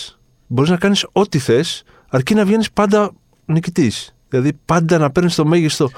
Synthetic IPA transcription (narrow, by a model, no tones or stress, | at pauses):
bo̞ɾiznɐkɐniso̞t̪iθe̞s | ɐɾcinɐvʝe̞nispɐnd̪ɐ | nicit̪isðilɐðipɐnd̪ɐnɐpe̞ɾnist̪o̞meʝist̪o̞